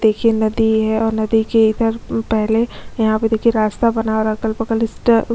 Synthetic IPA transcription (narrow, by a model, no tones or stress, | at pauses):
d̪eːkʰienɐd̪iɦɛɔːɾnɐd̪ikeɪd̪əɾpɛɦlejɐɦãped̪eːkʰieɾaːst̪abɐnaoɾɐkəlpəkəlɪsʈ